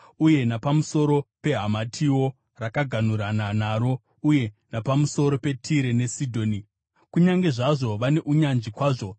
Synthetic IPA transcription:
uje̞napamuso̞ɾo̞pe̞ɦamatʰiwo̞ | rakaɡʱan̤uɾananaɾo̞ | uje̞napamuso̞ɾo̞pe̞tʰiɾe̞ne̞sidʱo̞ːni | kuɲaŋɡe̞ʐaʐo̞ʋane̞ʔuɲanʐikwaːʐo̞

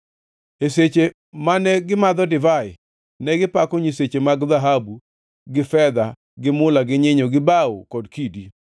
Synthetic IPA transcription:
eset͡ʃe | manɛɡɪmad̪ɔdɪvaɪ̰ | nɛɡɪpakɔɲiset͡ʃemaɡðaɦabu | ɡɪfɛd̪a | ɡɪmʊlaɡɪɲɪɲɔɡɪbao̰kɔdkidi

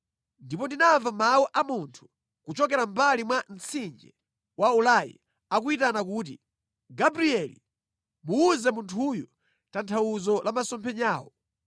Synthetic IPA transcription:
ndipɔndinaɱvamawɔʔamuntʰu̥ | kut͡ʃɔkɛɾambalimwan̩t͡sʰind͡ʒɛ | waulajḭ | ak̬uitanak̬uːt̬ḭ | ɡabɾiɛlḭ | muːzɛmuntʰujɔ | tantʰawuzɔlʔamasɔmpʰɛɲaːwɔ̰

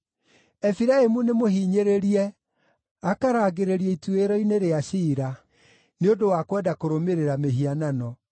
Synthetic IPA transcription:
ɛfiɾaemunemohiːɲeɾeɾiɛ | akaɾaːɡeɾeɾiɛitueɾɔineɾeaʃiːɾa | neodowakwɛdakoɾomeɾeɾameɦiananɔ

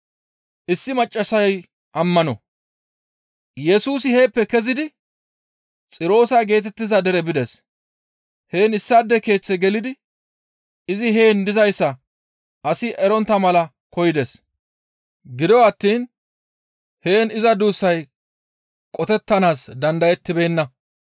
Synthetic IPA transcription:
ʔɪsːɪmɐt͡ʃʼːɐsɐj | ʔɐmːɐnɔ̰ | jɛsuːsɪhe̞ːpːɛkɛzɪd̪ɪ | t͡sʼɪɾo̞ːsɐjɡe̞ːt̪̬ɛt̪ːɪzɐd̪ɛɾɛbɪd̪ɛs | he̞ːnɪsːaːd̪ːɛke̞ːt͡sːɛɡɛlɪd̪ɪ | ɪzɪɦe̞ːnd̪ɪzɐjsːɐ | ʔɐsɪʔɛɾɔnt̪ːɐmɐlɐ | kɔjɪd̪ɛs | ɡɪd̪ɔwɐt̪ːiːn | he̞ːnɪzɐd̪uːsːɐj | kʼɔt̪ɛt̪ːɐnaːsd̪ɐnd̪ɐjɛt̪ːɪbe̞ːnːɐ

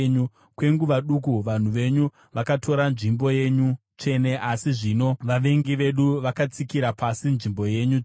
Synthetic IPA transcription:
ɲu | kwe̞ŋɡuʋaɗuk̬uʋan̤uʋe̞ɲu | ʋakatʰo̞ɾanʐimbo̞je̞ɲu | t͡ʂe̞ne̞ʔasiʐino̞ʋaʋe̞ŋɡiʋe̞ɗuʋakat͡sikiɾapasinʐimbo̞je̞ɲu

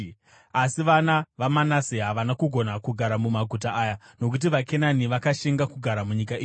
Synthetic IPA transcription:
asiʋanaʋamanasiɦaʋanakuɡʱo̞nakuɡʱaɾamumaɡʱutaʔaːja | no̞k̬ut̬iʋake̞naniʋakaʃeŋɡakuɡʱaɾamuɲikaiː

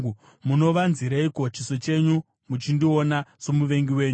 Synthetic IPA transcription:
muno̞ʋanziɾaikot͡ʃiso̞t͡ʃe̞ɲu | mut͡ʃindio̞nasomuʋe̞ŋɡiwe̞ːɲuu

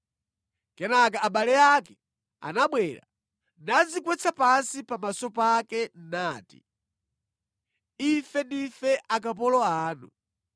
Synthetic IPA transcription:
kɛnak̬aːɓalɛakɛ̥ | a̰naɓwɛɾa̰ | nad͡zikwɛt͡sʰapansipamasɔpakɛnnaːtḭ | ifɛndifɛʔak̬ap̬ɔlɔaːnu

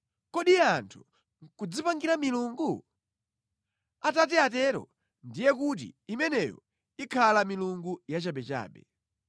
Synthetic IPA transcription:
kɔɗiantʰu̥ | ŋkud͡zipaŋɡiɾamiluŋɡu | atatiatɛɾɔ̰ | ndijɛk̬ut̬ḭimɛnɛjɔ̰ | ikʰalamiluŋɡujat͡ʃaɓɛt͡ʃa̰ːɓɛ

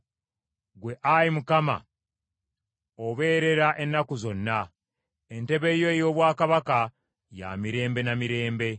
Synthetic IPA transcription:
ɡwe̞ʔajimukama̰ | oβe̞ːɾe̞ɾaʔe̞nːakuzo̞nːa | ente̞βe̞jo̞ejo̞ːβwaːkaβaka | ja̰miɾe̞ːmbe̞namiɾe̞ːmbe̞

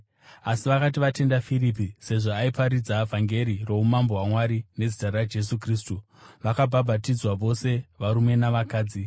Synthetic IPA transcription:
asiʋakatiʋate̞ndafirip̬ise̞ʐoaipaɾid͡zavʱaŋɡe̞ɾiro̞umamboɦwamwaɾine̞d͡zitarad͡ʒe̞s̬ukriːstu | ʋakabʱabʱatid͡zwaʋo̞se̞ʋaɾume̞naʋakaːd͡zi

